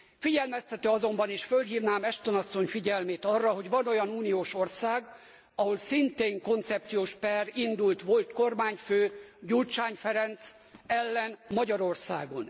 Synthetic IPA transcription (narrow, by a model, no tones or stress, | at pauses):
fiɟɛlmɛst̪ɛt̪øːɒzo̞mbɒniʃfølɦiːvnaːmɛʃt̪o̞nɒsːo̞ɲfiɟɛlmeːt̪ɒrːɒɦo̞ɟʋɒno̞jɒnuːnijoːʃo̞rsaːɡ | ɒɦolsint̪eːŋko̞nt̪sɛp̚t̪sijoːʃpɛrind̪ult̪ʋo̞lt̪ko̞rmaːɲføːɟult͡ʃaːɲfɛɾɛnt̪s | ɛlːɛnmɒɟɒɾo̞rsaːɡo̞n